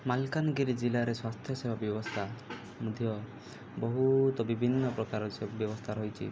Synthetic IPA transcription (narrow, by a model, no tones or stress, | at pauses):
malkanɡiɾid͡ʒilaɾeswast̪ʰjɔsebʱabjɔbɔst̪ʰa | mud̪ʱjɔ | bɔɦut̪ɔbibʱinːɔpɾɔkaɾɔbjɔbɔst̪ʰaɾɔɦit͡ʃʰḭ